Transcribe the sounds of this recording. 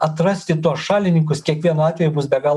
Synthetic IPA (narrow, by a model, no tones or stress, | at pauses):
ɐt̪ɾɐsʲt̪ʲɪt̪uɔsʃɑːlʲɪnʲɪŋkʊskʲiɛkʋʲiɛnuɑːt̪ʲʋʲɛjubʊsbʲɛɡɑːlˠ